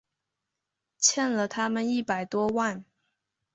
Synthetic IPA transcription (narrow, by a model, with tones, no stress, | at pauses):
t͡ɕʰjɛ˥˩nlə˨t̪ʰa˥mə˨ni˥˩pa˨˩ɪt̪wɔ˥wa˥˩n